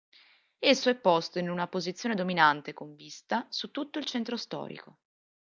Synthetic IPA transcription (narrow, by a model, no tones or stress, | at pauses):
esːoɛpːost̪oinunapozit̪sːjoːned̪ominant̪ekoɱvist̪asut̪ːut̪ːoilt͡ʃɛnt̪ɾost̪ɔ̰ːɾḭko